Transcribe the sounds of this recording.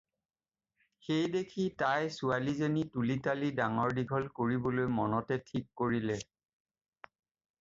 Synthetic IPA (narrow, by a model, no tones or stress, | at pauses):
xejdekʰitajsualizenitulitalidaŋɔɹdiɡʱɔlkoɹibɔlojmɔnɔtɛtʰikːoɹilɛ